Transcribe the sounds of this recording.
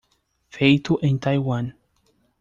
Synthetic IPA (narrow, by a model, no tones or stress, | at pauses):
fejt̪uʔẽnt̪ajwan